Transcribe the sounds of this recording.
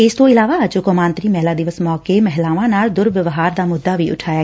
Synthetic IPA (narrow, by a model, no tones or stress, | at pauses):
ɪst̪õːɪlaːʋaːət͡ʃʊkomãːnt̪ɾiːmɛɦlaːd̪ɪʋəsmɔːkeːmɛɦlaːʋãːnaːld̪ʊɾʋɪʋɦaːɾd̪aːmʊd̪ːaːʋiːʔʊ̰ʈʰaːjaː